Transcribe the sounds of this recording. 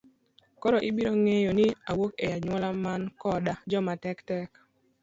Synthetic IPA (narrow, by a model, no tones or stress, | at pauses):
kɔɾɔʔɪbiɾɔŋejoniawokejaɲwɔlamankɔdad͡ʒɔmatɛktɛk